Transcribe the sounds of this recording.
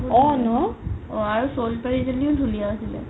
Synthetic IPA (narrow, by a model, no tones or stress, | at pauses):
ɔnɔɔaɹusolpaɹizeliodʱulijaasilɛ̰